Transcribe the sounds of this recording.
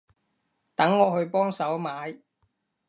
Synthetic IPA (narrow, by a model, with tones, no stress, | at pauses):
t̪ɐ˨˥ŋːɔː˨˧hɵ˧ɥpɔː˥ŋsɐ˨˥wmaː˨˧j